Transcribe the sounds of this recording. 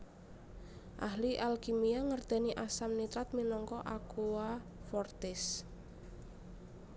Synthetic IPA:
ʔaɦliʔalkimiaŋərd̪̥ɛ̤niʔasamnit̪ɾat̪̚minɔŋkɔʔakuwafɔrt̪ɪs

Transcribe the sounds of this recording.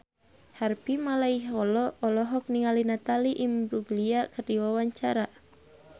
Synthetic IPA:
harpimalaiɦɔlɔːlɔɦɔk̚niŋalinat̪aliʔimbɾuɡliakərdiwawaɲt͡ʃaɾa

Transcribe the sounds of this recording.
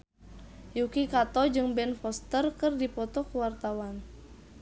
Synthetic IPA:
jukikat̪ɔd͡ʒɨŋbɛnfɔst̪ərkɨrdipɔt̪ɔkuwart̪awan

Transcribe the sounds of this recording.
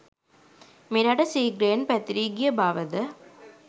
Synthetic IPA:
mɪɾaːʈɐsiːɡɾeːnpɐt̪ɾiːɡɪjɐbaːʋɐðɐ

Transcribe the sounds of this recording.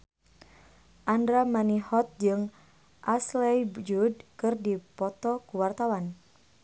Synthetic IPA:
ʔandɾamanihɔt̪̚d͡ʒɨŋ | ʔaslɛjd͡ʒud̚kɨrdipɔt̪ɔkuwart̪awan

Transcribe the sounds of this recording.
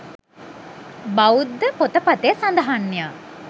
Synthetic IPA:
baud̪ːəpot̪əpat̪əjəsand̪əɦanːija

